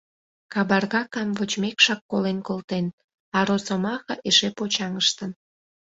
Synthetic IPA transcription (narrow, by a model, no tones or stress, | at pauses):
kɑbɑrɣɑkɑmvət͡ɕmekʃɑkːolenkolt̪en | ɑɾosomɑxə̰ʔeʃepot͡ɕɑŋəʃt̪ən